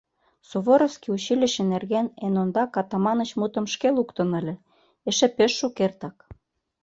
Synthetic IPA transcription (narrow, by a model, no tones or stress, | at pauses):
suβoɾofskiuɕilʲə̆ʃĕnerɣenenond̪ɑkɑt̪ɑmɑnə̆t͡ɕmut̪ə̆mʃkelukt̪ɤ̆nə̆lʲĕ | eʃĕpeʃːukert̪ɑk